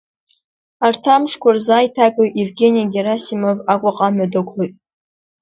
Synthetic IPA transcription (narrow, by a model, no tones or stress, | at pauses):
artʰamʂkʷʰarzaːjtʰakʼowʔevɡʲe̞nijaɡʲeɾasimovakʷʼaqʼamadakʷʰojtʼ